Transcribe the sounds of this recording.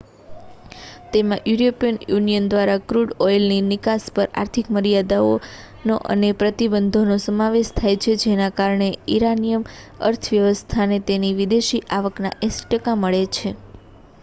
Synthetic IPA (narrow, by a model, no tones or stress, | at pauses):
t̪emãʔjuɾopijənjunijənd̪ʋaɾakɾuɖojlninɪkaspəɾa̰ɾt̪ʰikməɾijad̪ao | noʔə̰nepɾət̪ibənd̪ʱonosəmaʋeʃt̪ʰajt͡ʃʰed͡ʒenakaɾɳeiɾanijəm | ə̰ɾt̪ʰəʋjəʋəst̪ʰanet̪eniʋid̪eʃiʔaʋəkna̰ʔesi̥ʈəkaməɭet͡ʃʰe